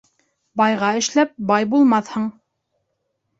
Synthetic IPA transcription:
bɑjʁɑɘ̆ʃlæp̚bɑjbulˠmɑθhɤɴ

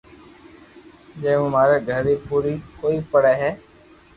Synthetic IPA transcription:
d͡ʒẽːʊmaːɾeːɡʱəɾɾiːpuːɾiːkoːiːpəɽeːɦɛː

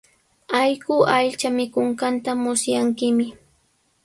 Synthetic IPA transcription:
ajɢʊʔaʎt͡ʃamɪkʊɴɢɑnt̪amʊsjaŋkɪmɪ

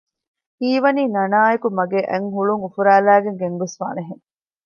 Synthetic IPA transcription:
hiːʋɐniːnɐnaːekumɐɡeʔeŋɦuɭuŋufuɾæːlæːɡeŋɡeŋɡesfa̰ːneɦeŋ

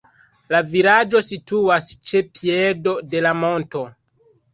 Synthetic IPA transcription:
laviɾad͡ʒo̞situast͡ʃepʰiedo̞de̞lamo̞nto̞

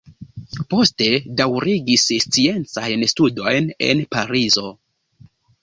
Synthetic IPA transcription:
po̞ste̞dawɾiɡisst͡sie̞nt͡sajnstudo̞jne̞̰npaɾizo̞

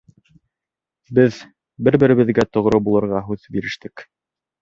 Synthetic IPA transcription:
bɘð | bɘɾbɘ̆ɾɘ̆βɘ̆ðɡæt̪ŏʁɾɤbulˠɤ̆ɾʁɑɦʉðbiɾɘ̆ʃt̪ɘk

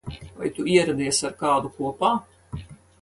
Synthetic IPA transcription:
va̰jt̪uiɛɾad̪iɛsaɾkaːd̪ukuɔpaː

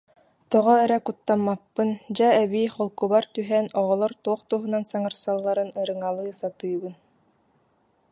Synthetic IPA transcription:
t̪ɔʁɔɛɾɛkut̪ːamːapːɯnd͡ʑaɛβiːχɔlˠkubaɾt̪yɦɛːnɔʁɔlˠɔɾt̪uɔχt̪uɦunansaŋɯɾsalˠːaɾɯnɯɾɯŋalˠɯːsat̪ɯːbɯn

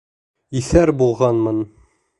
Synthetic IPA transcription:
iθæɾbulˠʁɑnmɤn

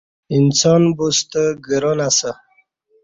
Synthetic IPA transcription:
insɔnbust̪əɡəɾonasə

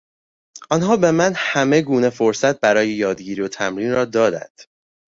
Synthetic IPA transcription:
ʔɒnɦɒːbe̞mænhæme̞ɡuːne̞fo̞ɾsæt̪̚bæɾɒːjejɒːd̪ɟiːɾiot̪ʰæmɾiːnrɒːd̪ɒːd̪æ̰nd̪̥

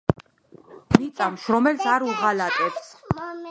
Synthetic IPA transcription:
mit̪sʼamʃɾɔmɛlsaɾuʁalat̪ʼɛps

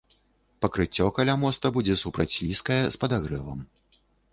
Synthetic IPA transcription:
pɐkɾɨt͡sʲːɔkalʲamɔst̪ɐbud͡zʲɛsupɾɐt͡sʲːlʲiskɐjɛspɐd̪aɣɾɛvɐ̰m

